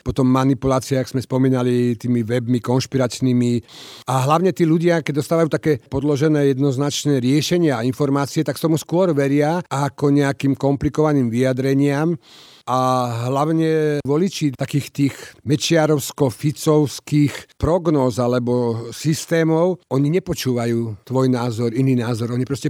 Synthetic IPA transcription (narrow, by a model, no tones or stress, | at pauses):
pɔt̪ɔmːanipulaːt͡siɛakz̥mɛspɔmiːnalit̪iːmiʋɛbmikɔnʃpiɾat͡ʃnimiaɦlaʊɲɛt̪iːluɟɪakɛɟd̪ɔst̪aːʋajuːt̪akɛːpɔd̪lɔʒɛnɛːjɛd̪nɔznat͡ʃnɛːɾɪɛʃɛɲɪaːinfɔɾmaːt͡siɛt̪akt̪ɔmuskʊɔɾʋɛɾɪaakɔɲɛakiːmkɔmplikɔʋaniːmʋiad̪ɾɛɲɪam | aɦlaʊɲɛʋɔlit͡ʃit̪akiːxt̪iːɣmɛt͡ʃɪaɾɔʊskɔfit͡sɔʊskiːxpɾɔɡnɔːzalɛbɔsist̪ɛːmɔʊɔɲiɲɛpɔt͡ʃuːʋajuːt̪ʋɔjnaːzɔɾiniːnaːzɔɾɔɲipɾɔscɛ